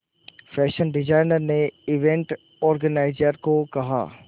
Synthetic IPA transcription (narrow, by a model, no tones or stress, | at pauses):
fɛːʃənɖɪd͡ʒaːɪnəɾneɪʋẽɳʈ | ɔːɾɡənaːɪd͡ʒəɾkokɐɦa̰ː